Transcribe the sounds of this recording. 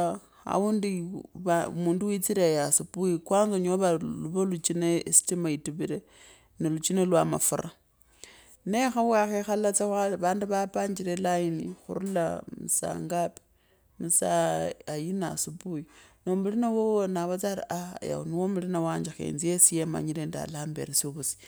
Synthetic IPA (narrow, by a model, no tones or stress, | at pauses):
a̰unduβmuːnduwit͡siɾejasipuikwaːnzoɲoβaluβolut͡ʃinesi̥timaituβiɾe | nelut͡ʃinelwama̰fuɾa | nexawaxexalat͡seβaːnduβapaːɲd͡ʒiɾelainixṵɾulamusa̰ːŋɡape̥ | musaajinasupujinomulinawowonaβat͡saɾaʔaja̰oniwomulinawaːɲd͡ʒaxḛnzijesijema̰ɲilenda̰laːmbeɾesuβusi̥